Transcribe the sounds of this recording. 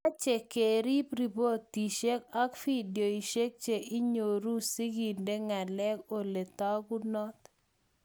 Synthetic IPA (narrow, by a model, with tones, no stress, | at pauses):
a˦t͡ʃe˨ke˨ɾi˦pɾi˨bo˦t̪ːi˨ʃe˦ka˦kfi˦djo˨i˨ʃe˦k̚t͡ʃe˨ʔɪ˦ɲo˨ɾu˦si˦ɡi˨nde˦ŋa˨lɛ˦ko˨le˨t̪a˦ku˦nɔ˦t̪